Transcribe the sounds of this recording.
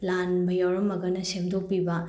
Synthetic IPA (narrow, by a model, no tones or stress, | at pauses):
lanbɐjawɾɐmɐɡɐnɐsemdʱok̚pibɐ